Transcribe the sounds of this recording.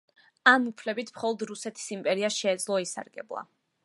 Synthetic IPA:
amupʰlɛbit̪ʰmχɔlˠɔd̪ɾusɛt̪ʰi̥simpʼɛɾiaʃɛːd̪zlˠɔisa̰ɾɡɛ̰blˠa̰

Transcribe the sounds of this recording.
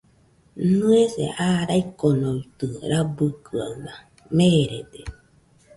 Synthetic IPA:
nɨesḛʔaɾaikonoit̪ɯɾabɯkɯa̰na | meɾed̪e

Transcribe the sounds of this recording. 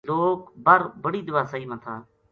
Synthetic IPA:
loːkbəɾbəɽiːd̪ʊʋaːsəɦiːmət̪ʰaː

